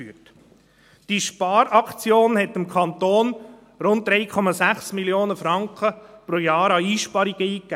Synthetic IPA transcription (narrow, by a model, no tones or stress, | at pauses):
yːət | d̥iʃpɑːɾʔɑkt͡sjoːnhɛtɪmkʰχɑnt̪oːn | ɾʊnt̚dɾɛjkʰɔmɑsæχsmiljoːnəfɾɑŋkχəpɾoːjɑːɾɑiːʃpɑɾiɡ̥əiːkːæ